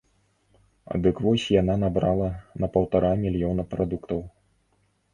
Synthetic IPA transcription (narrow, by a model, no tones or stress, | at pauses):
a̰d̪ɨkvɔsʲjananabɾalˠɐnɐpɐwt̪aɾamʲilʲjɔnɐpɾad̪ukt̪ɐw